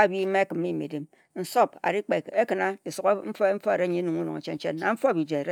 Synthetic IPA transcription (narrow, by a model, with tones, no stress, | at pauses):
a˦˨bi˦me˦kɨ˨m˦i˦˨mḛ˨di˨m | n̩˨so˦pa̰˨ɾi˦k͡pe˨e˦kɨ˨na˦di˨su˨˦km̩˦fm̩˦fo˦e˨ɾe˦ɲi˦nu˨ŋu˦no̰˨ŋe˨t͡ʃe˦n̩˦t͡ʃe˦nːa˨ɱ̩˦fo˦˨bi˨d͡ʒe˨e˨ɾe˦